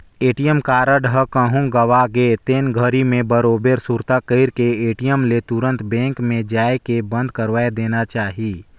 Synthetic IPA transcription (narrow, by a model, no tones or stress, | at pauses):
eːʈijəmkaːɾəɖɦəkəɦũɡəʋaɡeːt̪eːnɡʱəɾimẽbəɾoːbeɾsuɾt̪akəɪɾkeeːʈijəmlet̪ʊɾə̃nt̪bɛ̃ːŋkmẽd͡ʒaːekebə̃nd̪ʱkəɾʋaːed̪eːnat͡ʃaːɦiː